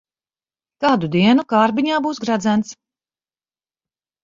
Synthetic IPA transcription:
kaːd̪ud̪iɛnukaːɾbiɲaːbuːsɡɾad̪zænt̪s

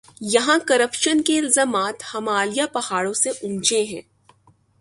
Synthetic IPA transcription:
jɐɦãkɐɾəpʃənkeɪlzaːmaːt̪hɐmaːlijapɐhaːɽõseʔʊ̃nt͡ʃeɦɛ̰̃ː

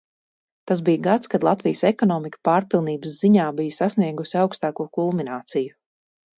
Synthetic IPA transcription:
t̪azbijəɡat̪skad̪lˠat̪vijəsɛkɔnɔːmikə̥paːɾpilˠniːbəsz̥iɲaːbijsasniɛɡusiawkst̪aːkuɔkulˠminaːt̪siju

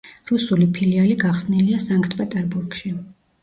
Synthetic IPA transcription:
ɾusulipʰilialiɡaχsniliasaŋkʰt̪ʰpʼɛt̪ʼɛɾbuɾɡ̥ʃi

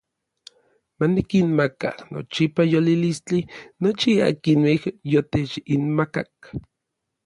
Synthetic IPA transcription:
manikinmaka̰no̰t͡ʃipajolilist͡ɬinot͡ʃia̰kinwehjot̪et͡ʃinmakak̚

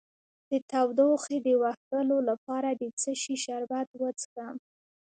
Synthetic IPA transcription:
d̪̥ət̪awd̪oxed̪əwaxt̪əlolapɑɾad̪ət͡səʃiʃaɾbat̪wət͡skam

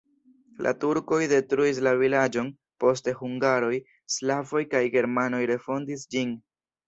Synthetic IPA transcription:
lʔa̰tuɾko̞jde̞tɾuis̬lavilad͡ʒo̞n | po̞ste̞huŋɡaɾo̞j | slavo̞jkajɡe̞ɾmano̞jɾe̞fo̞ndisd͡ʒin

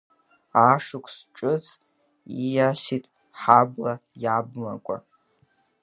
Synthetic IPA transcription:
aʂɨkʷʰsʈ͡ʂʼɨt͡sʰ | ijasitʼ | ħablajabma̰kʷʼa̰

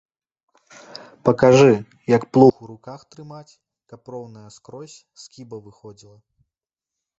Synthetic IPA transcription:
pɐkaʐɨ | jɐkplˠuxuɾukaxt̪ɾɨmat͡sʲ | kɐprɔwnɐjɐskɾɔsʲ | skʲibɐvɨxɔd͡zʲilˠɐ

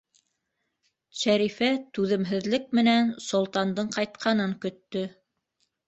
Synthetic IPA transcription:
ʃæɾifæt̪ʉðɘ̆mɦɘ̆ðlɘk̚mɘ̆nænsŏlˠt̪ɑnd̪ɤɴqɑjt̪̚qʰɑnɤŋkɵ̆t̪ːɵ

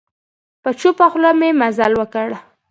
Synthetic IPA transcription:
pət͡ʃupaxlomemazalwəkəɽ

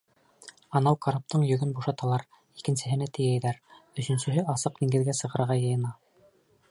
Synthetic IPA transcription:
ɑnɑwkɑɾop̚t̪ɤɴjɵ̆ɡɵnbuʃɑt̪ɑlˠɑɾ | ikɘ̆nsɘ̆ɦɘ̆næt̪ɘ̆jæjðæɾɵ̆sɵ̆nsɵ̆ɦɘʔɑsɤqd̪iŋɡɘ̆ðɡæsɤ̆ʁɤ̆ɾʁɑjɤ̆jɤ̆nɑ

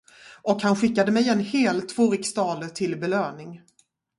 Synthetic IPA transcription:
ʔɔkhanɧɪkːad̪əmɛjɛnheːlt̪ʰvoːɾɪkst̪ɑːləʈʰɪlbɛløːnɪŋ

